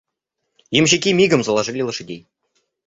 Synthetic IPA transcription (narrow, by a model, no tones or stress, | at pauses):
jɘ̆mɕikʲimʲiɡə̆mzɤ̆lˠɑʐ̆lʲilˠɤ̆ʂɘ̆d̪ʲej